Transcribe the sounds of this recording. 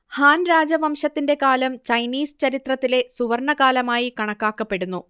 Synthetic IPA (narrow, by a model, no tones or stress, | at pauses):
haːnɾaːd͡ʑɐʋɐmʂɐt̪ːinde̞kaːlɐmt͡ɕɐjniːsɨ̥t͡ɕɐɾit̪rɐt̪ːile̞suʋɐrɳɐkaːlɐmaːjikɐɳɐkːaːkːɐpːe̞ɽunːu